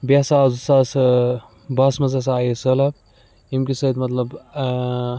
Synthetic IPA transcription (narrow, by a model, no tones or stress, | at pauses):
basaːzusas | bɐsmɐzas̬aːjisɐlɐb̚ | imkisɐd̪mɐt̪lɐb